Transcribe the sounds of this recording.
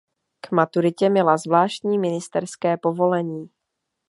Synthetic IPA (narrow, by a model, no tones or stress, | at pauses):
kmat̪uɾɪcɛmɪlazvlaːʃt̪ɲiːmɪnɪst̪ɛɾskɛːpo̞vo̞lɛɲiː